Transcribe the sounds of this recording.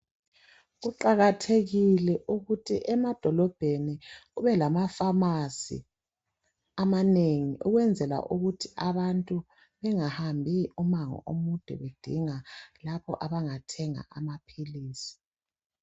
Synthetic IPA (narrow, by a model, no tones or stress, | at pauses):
ɣuǃaɣatʰeɣilɛʔuɣutʰḭʔɛmad̥ʱɔlɔb̥ʱeniuβɛlamafamasḭ | amaneŋiʔuɣwɛnd͡zʱɛla̰ʔuɣutʰiʔaβantʼu | βɛŋahambʱiumaŋɔ̰ʔomud̥ʱṵβed̥ʱiŋalapʰɔ̰ʔaβaŋatʰɛŋa̰ʔamapʰiliːsi̥